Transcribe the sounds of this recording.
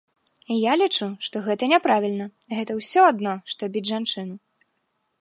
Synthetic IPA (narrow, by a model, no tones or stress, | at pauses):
jalʲit͡ʂuʂt̪ɔɣɛt̪ɐnʲɛpɾavʲilʲnɐɣɛt̪ɐwsʲɔad̪nɔʂt̪ɔbʲid͡zʲʐant͡ʂɨnu